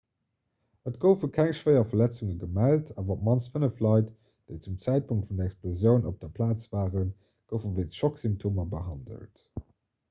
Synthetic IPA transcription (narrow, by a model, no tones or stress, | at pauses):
ətɡ̥əʊfəkʰæŋʃv̥ɜɪɐfɐlæt͡suŋəɡəmæltʰaːvɐpmɑnt͡sfənəflɑɪt | d̥eɪt͡sumt͡sæɪt̚pʰuŋk̚tfundɐɛksplozjəʊnʔop̚d̥ɐpʰlaːt͡sv̥aːʁən | ɡ̥əʊfəvəɪtəʃoksimp̚tʰoːmɐbəɦɑndə̰lt